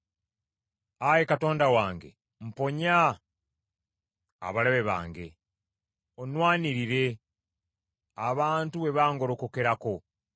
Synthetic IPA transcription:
aje̞kato̞ːndawaːŋɡe̞̰ | m̩po̞ɲa | a̰βalaβe̞βa̰ːŋɡe̞̰ | onwaːniɾiɾe̞ | aβaːntuβe̞βaːŋɡo̞ɾo̞ko̞ke̞ɾako̞

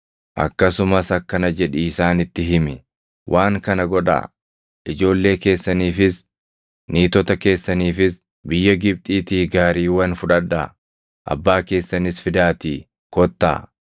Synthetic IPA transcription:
ʔɐ̰kːɐsʊmɐsɐkːɐnɐd͡ʒɛᶑɪːsaːnɪt̪ːɪɦɪmɪ | wʔaːŋkɐnɐɡɔᶑa̰ | ʔɪd͡ʒo̞ːlːe̞ːke̞ːsːɐniːfɪs | niːt̪ɔt̪ɐke̞ːsːɐniːfɪs | bɪjːɐɡɪb̚t̪ʼiːt̪iːɡaːɾiːwɐnfʊᶑɐᶑːɐ | ʔɐ̰bːaːke̞ːsːɐnɪsfɪd̪aːt̪iː | kɔt̪ːa̰ː

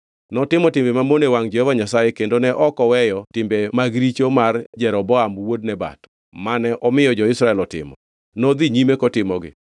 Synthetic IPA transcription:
nɔtɪmɔtɪmbemamonewaŋd͡ʒɛhovaɲasajekendonɛʔɔkɔwɛjɔtɪmbemaɡɾit͡ʃomard͡ʒɛɾɔbɔamwod̚nɛba̰tɔ̥ | manɛʔɔmɪjɔd͡ʒɔɪsɾaɛlɔtɪ̰mɔ̰ | nod̪iɲimekɔtɪmɔɡɪ̰

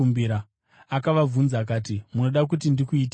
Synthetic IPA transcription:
umbiɾa | akaʋavunzaːk̬aːtimuno̞ɗak̬utindikuiːt̬

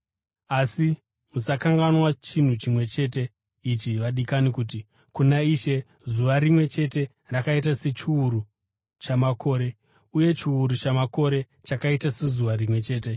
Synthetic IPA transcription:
asi | musakaŋɡanwat͡ʃin̤ut͡ʃimwe̞t͡ʃe̞te̞ | it͡ʃiʋaɗikanikuːti | kunaiʃe̞ | zuʋaɾimwe̞t͡ʃe̞te̞ | rakait̬ase̞t͡ʃiuɾu | t͡ʃamako̞ːɾe̞ | uje̞t͡ʃiuɾut͡ʃamako̞ɾe̞ | t͡ʃakaitase̞zuʋaɾimwe̞t͡ʃe̞ːte̞

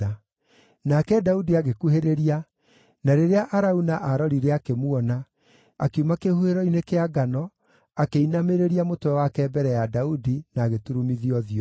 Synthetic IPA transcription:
a | nakɛdaudiaɣekuheɾeɾia | naɾeɾeaʔaɾaunaʔaɾɔɾiɾeakemwɔna | akeumakehueɾɔinekeaɡanɔ | akeinameɾeɾiamotwɛwakɛːbɛɾɛjadaudinaːɣetuɾumiðiɔðiɔ

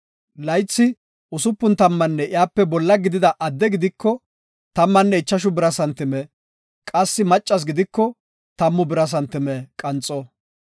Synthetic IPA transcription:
lɐjt͡sːɪ | ʊsʊpːʊnt̪ɐmːɐnːɛʔɪjaːpːɛbɔlːɐɡɪd̪ɪd̪ɐʔɐd̪ːɛɡɪd̪ɪkːɔ | t̪ɐmːɐnːɛɪt͡ʃːɐʃ̬ʊbɪɾɐsɐnt̪ɪmɛ | kʼɐsːɪmɐt͡ʃʼːɐs̬ɡɪd̪ɪkːɔ | t̪ɐmːʊbɪɾɐs̬ɐnt̪ɪmɛkʼɐnt͡sʼɔ

